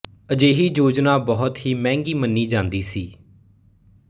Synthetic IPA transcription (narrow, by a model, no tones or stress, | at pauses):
əd͡ʒeːɦiːd͡ʒoːd͡ʒnaːbɔɦʊt̪ɦiːmɛ̃ːŋɡiːmənːiːd͡ʒãːnd̪iːsiː